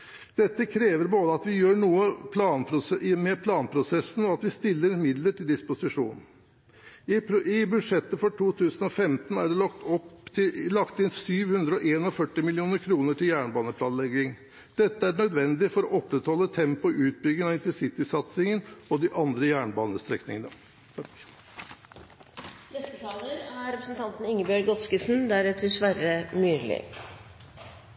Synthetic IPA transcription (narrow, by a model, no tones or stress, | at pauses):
d̪̥ɛt̪ːəkʰɾeːʋəɾboːd̪əɑt̪ʋɪjøːɳuːəpʰlɑːnpʰɾʊsɛɪmɛpʰlɑːnpʰɾʊsɛsn̩ɔɑt̪ʋɪst̪ɪlːəɾmɪd̪ləʈʰɪld̪ɪspʊsɪʂṵːn̩ | ɪbʉd̪ʂɛt̪ːəfɔʈʰuːt̪ʰʉːsənɔfɛmt̪n̩æɖɛlɔkt̪ɔp̪ɪlɑkt̪ɪnsyːʋhʉnd̪ɾəɔʔeːnɔfœʈːɪmɪlɪuːnəɾkʰɾuːnəʈʰɪljæːɳbɑːnəpʰlɑːnlɛɡɪŋ | d̪̥ɛt̪ːəæɳœd̪ʋɛnd̪ɪfɔɾɔʔɔpːɾɛt̪hɔlːət̪ʰɛmpʊʉːt̪̚bʏɡɪŋɑɪnt̪ɪsɪt̪ɪsɑt̪sɪŋənɔd̪ɪʔɑnd̪ɾəjæːɳbɑːnəst̪ɾɛknɪŋənə | nɛst̪ːət̪ʰɑːləɾæɾɛpɾəsnt̪ʰɑnt̪n̩ɪŋːəbœɾɡɔt̪skəsn̩d̪æɾɛt̪ʰəʂʋæɾəmyːlɪ̰